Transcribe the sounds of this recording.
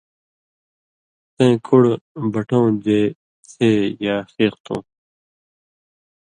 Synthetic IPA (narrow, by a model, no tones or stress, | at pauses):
t̪ẽːkʰuɽbʌʈõːd͡ʑeː | t͡sʰeːjaːxeːqt̪ʰõ̰ː